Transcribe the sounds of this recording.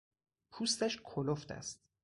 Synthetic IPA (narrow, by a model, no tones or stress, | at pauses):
pʰuːst̪æʃkʰoloft̪æ̰st̪̚